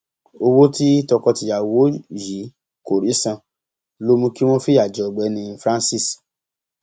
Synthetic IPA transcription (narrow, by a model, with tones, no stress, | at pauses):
o˧wo˦ti˦tɔ˧kɔ˧ti˧ja˨wo˨˦ji˨˦ | ko˨ɾi˨˦sã˧ | lo˦mũ˧ki˦w̃ɔ̃˦fi˦a˨d͡ʒɔ˨ɡ͡bɛ˨˦nĩ˧˦fɾã˦nsi˦˨s